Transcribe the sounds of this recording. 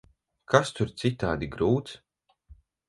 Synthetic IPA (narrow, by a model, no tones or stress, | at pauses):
kʰast̪uɾt̪sit̪aːd̪iɡɾuːt̪s